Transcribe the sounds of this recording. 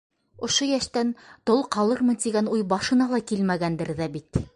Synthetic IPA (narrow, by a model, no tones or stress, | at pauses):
ŏʃojæʃt̪ænt̪olˠqɑlˠɤɾmɤ̆nt̪iɡænujbɑʃɤ̆nɑlˠɑkilmæɡænd̪ɘɾðæbit̪